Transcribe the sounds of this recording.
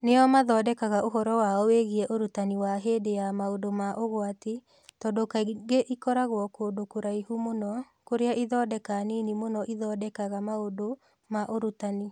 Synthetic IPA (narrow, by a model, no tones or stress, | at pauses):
nejɔmaðɔːdɛkaɣaoɦɔɾɔwaɔweɣiɛʔoɾutaniwaɦedejamaodomaʔoɣoati | tɔːdokaɡeʔikɔɾaɣwɔkodokoɾaihumonɔ | koɾeaʔiðɔːdɛkaninimonɔʔiðɔdɛkaɣamaodo | maʔoɾutani